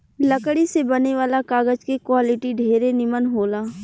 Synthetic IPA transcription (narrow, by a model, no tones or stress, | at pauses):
ləkɽisebɐneʋaːlakaːɡəd͡ʒkekwaːlɪʈiɖʱeːɾenɪmənɦoːlaː